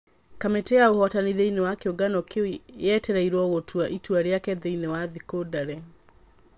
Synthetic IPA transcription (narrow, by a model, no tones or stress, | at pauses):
kameteaohɔtaniðeinewakeoɡanɔkewiɛtɛɾaiɾwɔɣotʰwaʔitwaɾeakɛðeinewaðikodaɾɛ